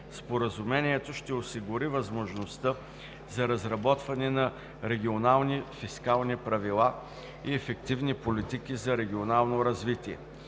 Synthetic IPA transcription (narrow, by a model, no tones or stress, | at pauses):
spoɾəzumɛniɛt̪oʃt̪ɛosiɡʊɾivɐzmoʒnost̪ə | zɐɾɐzɾɐbɔt̪vɐnɛnɐ | ɾɛɡʲionalˠnifiskalˠnipɾɐvilˠa | iɛfɛkt̪ivnipolit̪ikizɐɾɛɡʲionalˠnoɾɐzvit̪iɛ̰